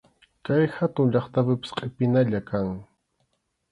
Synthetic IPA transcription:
kajhat̪ʊŋʎɑχt̪apɪpɪ̥sqʼepɪnaʎakaŋ

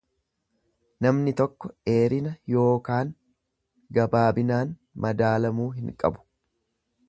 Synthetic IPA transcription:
nɐmnɪt̪ɔkːɔe̞ːɾɪnɐjo̞ːkaːŋ | ɡɐbaːbɪnaːn | mʔɐd̪aːlɐmuːɦɪŋkʼɐ̰bʊ̥

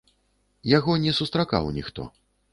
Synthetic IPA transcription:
jaɣɔnʲɛsust̪ɾaka̰wnʲixt̪ɔ̰

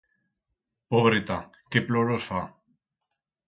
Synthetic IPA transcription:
poβɾet̪a | keploɾosfa

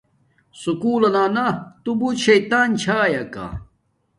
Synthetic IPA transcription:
sukuːlɐnaːnat̪ubuɕɐjt̪aːnt͡ɕʰaːjɐka̰

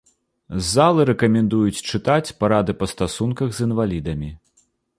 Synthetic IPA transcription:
zalˠɨɾɛkɐmʲɛnd̪ujut͡sʲt͡ʂɨt̪at͡sʲpaɾad̪ɨpɐst̪asunkɐɣzɨnvalʲid̪ɐmʲi

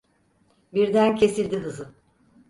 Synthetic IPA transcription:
biɾd̪æncʰe̞silʲd̪iɦɯzɯ

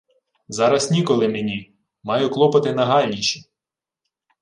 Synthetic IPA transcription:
zɑɾɐsnʲikɔlˠɪmenʲi | mɑjʊklˠɔpɐt̪ɪnɐɦɑlʲnʲiʃi

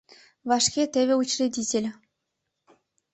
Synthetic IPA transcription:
vɑʂkʲet̪ʲeβʲɘ̆ut͡ɕrʲedʲitʲĕlʲ

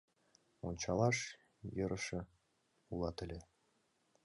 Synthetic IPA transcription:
onʲt͡ɕɑlˠɑʃ | jɤ̆ɾɤ̆ʃɤ̆ | ulˠɑt̪ɘ̆lʲɘ̆

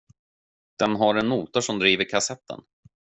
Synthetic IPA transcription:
d̪̥ɛnɦaɾɛnmuːt̪aʂɔmd̪ɾiːvəɾkʰasɛt̪ʰːə̰n

